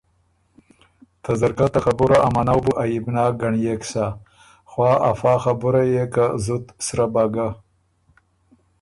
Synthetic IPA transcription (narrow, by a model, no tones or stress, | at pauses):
t̪ʰazaɾkat̪axabuɾaʔamanawbuʔajibnɑːɡaɳjeksa | xwɑːafɑːxabuɾajekazut̪sɾabaɡa